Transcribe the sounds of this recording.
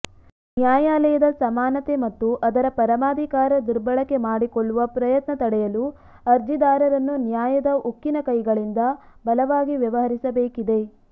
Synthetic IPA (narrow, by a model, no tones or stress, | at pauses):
njaːjaːlɐjɐd̪ɐsɐmaːnɐt̪e̞mɐt̪ːuʔɐd̪ɐɾɐpɐɾɐmaːd̪ʱikaːɾɐd̪iɾbɐɭɐkːe̞maːɽikoɭːuʋɐpɾɐjɐt̪nɐt̪ɐɽɛjɐlu | ɐɾd͡ʒid̪aːɾɐɾɐnːunjaːjɐd̪ɐʔukːinɐkɐjɡɐɭind̪ɐbɐlɐʋaːɡiʋjɐʋɐɦɐɾisɐbeːkid̪e̞